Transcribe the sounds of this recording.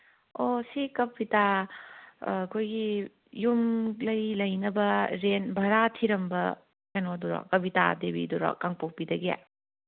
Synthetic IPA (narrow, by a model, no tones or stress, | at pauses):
osikɐpita | ɐkʰojɡi | jumlɐjlɐjnɐbɐɾenbʱɐɾatʰiɾɐmbɐ | kanoduɾɔ̰kɐbita̰debḭduɾɔ̰kaŋpok̚pidɐɡija̰